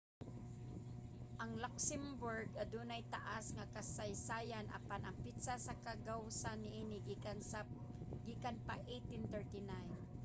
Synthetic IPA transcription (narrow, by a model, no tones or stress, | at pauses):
ʔɐŋlaksɛmbʊɹɡad̪uːnajt̪aʔasŋakasajsaːjanʔa̰panaŋpit̪sasakaɡawsanːɪʔiːnɪ | ɡikanpaʔejt̪ɪnt̪ɛɹt̪ɪnajn